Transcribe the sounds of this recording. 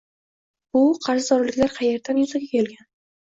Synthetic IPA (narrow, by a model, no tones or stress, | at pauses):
bʊqʰɑɾʃɪzɒɾlɪkʲlaɾqʰɑjeɾd̪anjʊzaɡʲakʲʰe̞lɡʲan